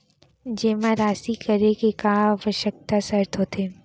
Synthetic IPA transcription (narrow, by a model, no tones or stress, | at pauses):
d͡ʒeːmãɾaːsikɐɾekekãːʋəʃək̚t̪asɐɾt̪ʰot̪ʰeː